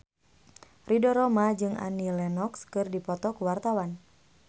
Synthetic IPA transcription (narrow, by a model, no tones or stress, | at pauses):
ridɔɾɔmad͡ʒɨŋa̰nilɛnɔkskɨrdipɔt̪ɔkuwart̪awan